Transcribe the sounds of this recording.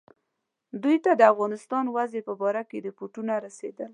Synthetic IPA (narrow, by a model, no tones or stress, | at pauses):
d̪ujt̪ad̪əafɣɑnɪst̪ɑnwazepəbɑɾaked̪əpuʈunaɾased̪əl